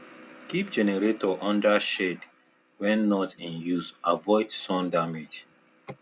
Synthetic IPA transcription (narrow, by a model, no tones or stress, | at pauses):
kipd͡ʒɛnɛɹetʰɔʔɔ̃ndaʃed | wɛ̃nːɔtĩnjusavɔɪdsɔ̃ndamed͡ʒ